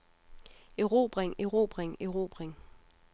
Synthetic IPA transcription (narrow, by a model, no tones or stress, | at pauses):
eʁo̰ːb̥ʁeŋeʁo̝ːb̥ʁeŋeʁo̝̰b̥ʁeŋ